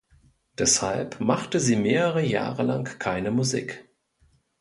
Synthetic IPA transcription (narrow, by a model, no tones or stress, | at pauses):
d̥ɛshalpmaχtəziːmeːʁəʁəja̰ːʁəla̰ŋkʰaɪnəmuzḭːk